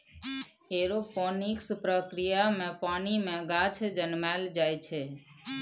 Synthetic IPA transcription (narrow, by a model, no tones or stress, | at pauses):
eɾopɔnikspɾəkɾijamẽpanimẽɡat͡ʃʰd͡ʒənmald͡ʒajt͡ʃʰe